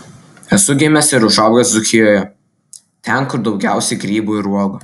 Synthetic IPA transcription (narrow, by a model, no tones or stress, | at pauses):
ɛsʊɡʲɪmʲɛsɪɾʊʒɑˑbɡʲɐsd̪ʊkʲɪjoːjɛ | t̪ʲɛnkʊɾd̪ɒʊɡʲæˑʊsʲɛɪɡɾʲiːbuːɪɾuɔɡo